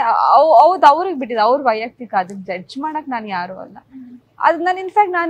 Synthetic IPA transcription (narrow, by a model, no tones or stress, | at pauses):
ɐɐʋd̪ɐʋɾuɡbiʈːid̪ɐʋɾubɐjaːk̚t̪ikːaɐd̪ɐkːd͡ʒɐd͡ʒmaːɽɐkːenaːnjaːɾuːɐ̰lːɐ̰ | ɐ̰d̪naːninfʰaːk̚ʈnaːn